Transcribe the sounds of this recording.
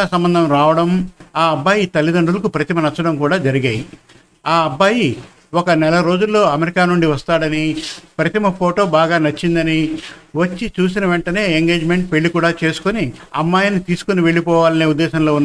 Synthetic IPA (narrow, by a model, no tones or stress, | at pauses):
aːsɐmbɐnd̪ʱɐmɾaːʋɐɽɐmaːɐbːaːjit̪ɐlːid̪ɐɳɖulɐkupɾɐt̪imɐnɐt͡ʃːɐɽɐmkuːɽaːd͡ʒɐɾiɡɐːji | aːɐbːaːji | ɔkɐnɛlɐɾo̞ːd͡ʒulːo̞ːɐmeɾikaːnuɳɖiʋɐst̪aːɽɐnipɾɐt̪imɐpʰoːʈoːbaːɡaːnɐt͡ʃːind̪ɐniʋɐt͡ʃːit͡ʃuːs̬inɐʋeɳʈɐne̞ːeŋɡe̞ːd͡ʒme̞ɳʈ̚pe̞ɭːikuːɽaːt͡ʃe̞ːsu̥kuniɐ̰mːaːjɐnit̪iːsu̥kuniʋe̞ɭːipɔːʋaːlɐneːud̪ːɛːʃɐnlo̞ːunː